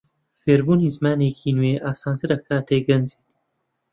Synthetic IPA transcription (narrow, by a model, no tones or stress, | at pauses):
feːɾbuːniːzmaːneːkʰiːnwweːʔaːsaːnt̪ʰɨɾɐkʰaːt̪ʰeɡɐnziːt̪